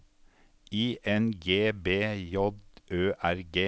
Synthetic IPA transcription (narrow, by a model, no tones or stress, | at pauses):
iːʔɛnɡeːbeːjɔd̪ʔøːʔæɾɡeː